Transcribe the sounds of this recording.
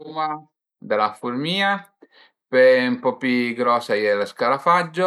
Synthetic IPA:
uma | d̪elafurmiːa | peumpɔpuɡɾɔːsajelskaɾafad͡ʒːo

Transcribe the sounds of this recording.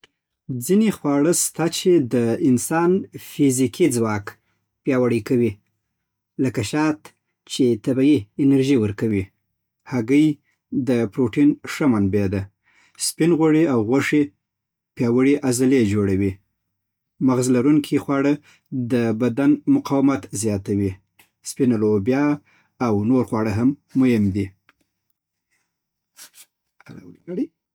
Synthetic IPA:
d͡zinexwɑɽəst̪at͡ʃed̪əɪnsɑnfizikʰid͡zwɑk | pjɑwaɽəkawi | ləkaʃɑt̪ | t͡ʃet̪abaiɪnaɾʒiwəɾkawi | haɡəj | d̪əpɾoʈinʂamanbed̪a | spinɣoɽeawɣaʂe | pjɑwəɽiʔazaled͡ʒoɽawi | maɣzlaɾuŋkʰixwɑɽə | d̪əbad̪anmʊqɑwamat̪zjɑt̪awi | spinalobjɑː | wnoɾxwɑɽəɦamːojɪmd̪i | ala̰wɽ

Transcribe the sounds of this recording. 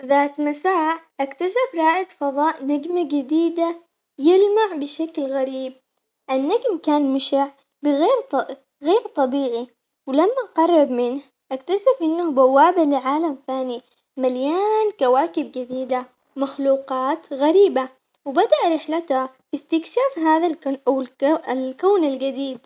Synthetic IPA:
ðaːt̪masaːʕʔakt̪aʃafɾˤɑːʔɪq̪fɑðˤɑːʔnaɡmaɡɪd̪iːd̪a | jɪlmaʕbɪʃaklɣaɾiːb̚ | ʔanːaɡmkaːnmɪʃaʕ | bɪɣeːɾ | ɣeːɾt̪ˤɑbiːɣi | wɪlamːaʔqɑrˤːɑbmɪnh | ʔakt̪aʃɪfʔɪnːʊbawːaːbalɪʕaːlamθaːni | maljaːnkawaːkɪb̚ɡɪd̪iːd̪a | maxluːqɑːt̪ɣaɾiːba | wɪbad̪aʔɾɪħlat̪ | fist̪ɪkʃaːfɦaːðaʔawɪlkoːnalɡad̪iːd̪̚

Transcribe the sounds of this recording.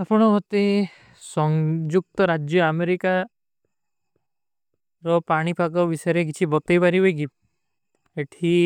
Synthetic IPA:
apɔɽ̃ɔɦot̪e | sɔŋd͡ʒuk̚t̪ɔɾad͡ʒjɔameɾika | ɾɔpaɽ̃ipakɔbisɔjɔɾek̬it͡ʃʰibɔt̪ɔjpaɾibojki | eʈʰi

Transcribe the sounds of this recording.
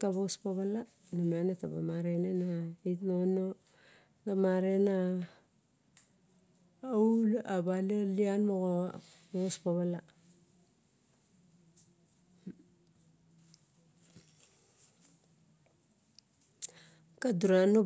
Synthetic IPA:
kaβospaβala | numanetaba̰maɾenenaitnono | damaɾena | aulabalalianmoɣobospaβala | kaduɾano

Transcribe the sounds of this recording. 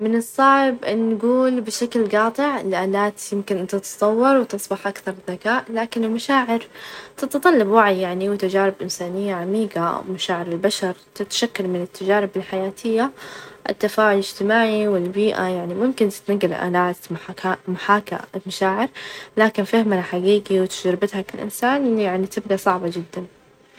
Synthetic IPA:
mɪnɨsˤːɑːʕɪbʔɪnːɡuːlbɪʃaklɡɑːt̪ˤɨʕɪlʔaːlaːt̪jɪmkɪnʔɪnt̪at̪sˤɑwːɑɾˤwt̪ɨsˤbɑħʔakθɑɾˤðakaːʔlaːkɪnɪlmaʃaːʕɪɾt̪ɪt̪t̪ˤɑlːɑbwaʕijaʕniwt̪ad͡ʒaːɾɪbʔɪnsaːnɪjːaʕamiːɡa̰maʃaːʕɪɾɪlbaʃɑɾˤt̪ɪt̪ʃakːalmɪnɪt̪ːad͡ʒaːɾɪbɪlħajaːt̪ʰɪjːaʔɪ̰t̪ːafaːʕʊlɪd͡ʒt̪ɪmaːʕiwɪlbiːʔa̰jaʕnimʊmkɪnt̪ɪ̥t̪naɡːɪlʔa̰ːlaːt̪maamaħaːka̰maʃaːʕɪɾlaːkɪnfahmalħaɡiːɡiwɪt̪ɪ̥d͡ʒɾɪbɪt̪hakalʔɪ̰nsaːnʔɪjaʕnit̪ɪbd̪asˤɑʕbad͡ʒɪd̪ːan

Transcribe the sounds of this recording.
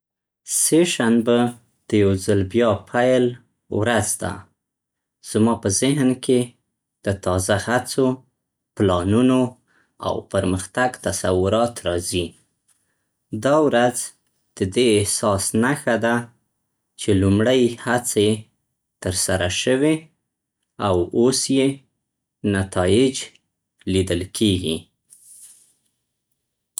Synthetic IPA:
seʃanbə | d̪̥əjawzəlbjɑpʰajl | wɾazd̪a̰ | z̥mɑpəzɪɦnkʰe | d̪̥ət̪ɑzahat͡so | plɑnuno | a̰wpəɾməxt̪aɡt̪asawʊɾɑt̪ɾɑzi | d̪ɑwɾad͡z | d̪̥əd̪eːhsɑsnaxad̪a | t͡ʃelumɽajhat͡se | t̪əɾsaɾaʃəwe | awosje | nat̪ɑjɪd͡ʒ | lid̪əlkʰeɡi

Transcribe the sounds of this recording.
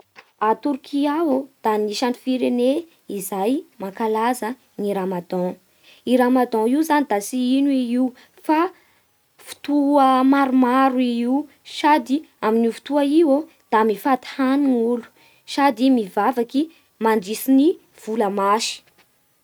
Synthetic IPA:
at̪uɾkʰiaɦod̪̥aniʃanfiɾene | izajmakalazə | niɾamad̪ɔ̃ | iɾamad̪ɔ̃iuzanid̪asiinuiiu | fa | fu̥t̪uəmaɾumaɾuiiw | sad̪iaminifu̥t̪uaiwo | d̪̥amifat̪i̥haniŋulu̥ | sad̪imivavaki | mand͡ʒisini | v̥uləmaʃi̥

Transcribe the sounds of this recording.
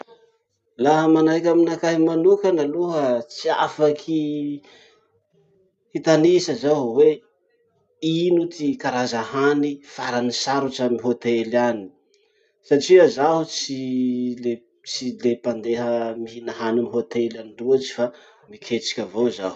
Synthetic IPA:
laɦəmanajkʲaminakaɦimanukənaluɦət͡sia̰fakʰi | hit̪anisəzaɦuwe | inut̪ikaɾazahanifaɾanisaɾuʈ͡ʂamiɦot̪elani̥ | saʈ͡ʂiazaɦut͡sile | t͡silepand̪eɦəmiɦinaɦanamiɦot̪elaniɖ͡ʐuat͡ʃi̥fa | mikʰet͡ʃi̥kʲəvoza̰ɦu

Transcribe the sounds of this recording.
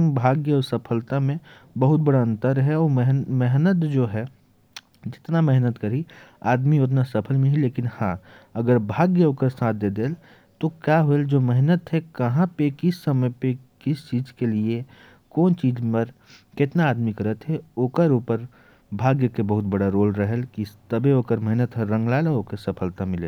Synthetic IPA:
bʱaːɡjəɔːɾsəpʰəlt̪amẽ | bəɦʊt̪̚bɐɽaə̃nt̪əɾɦɛɔːɾɦmɛɦnət̪d͡ʒoːɦɛ | d͡ʒɪt̪namɛɦnət̪kəɾiaːd̪mijoːd͡ʒnasəpʰəlmẽɦɛleːkɪnhãɐɡəɾbʱaːɡjəoːkəɾsaːt̪̚ʰd̪eːd̪eːl | t̪okjaːɦoeld͡ʒoːmɛɦnət̪ɦɛkɐɦãpekɪsːəməpekɪst͡ʃiːzkelie | koːnt͡ʃiːd͡ʒməɾ | kɪt̪naaːd̪mikəɾət̪ɦɛoːkəɾuːpəɾ | bʱaːɡjəkebəɦʊt̪̚bəɽaɾoːlɾəɦəlkit̪əbeoːkəɾmɛɦnət̪ɦɛɾə̃ŋɡlaːelɔɾoːkesɐpʰəlt̪amɪlḛː

